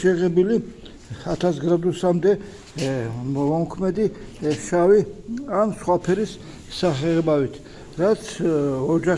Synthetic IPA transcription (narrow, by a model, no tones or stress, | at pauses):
ʃɛʁɛbili | at̪ʰasɡɾad̪usamd̪ɛ | vɔmkʰmɛd̪iʃaviansχwapʰɛɾisː | aχɛɛbavit̪ʰ | ɾat̪sʰɔd͡ʒa